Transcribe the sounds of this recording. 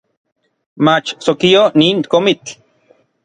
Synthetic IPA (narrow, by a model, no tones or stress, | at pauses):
mat͡ʃsokioniːŋkomit͡ɬ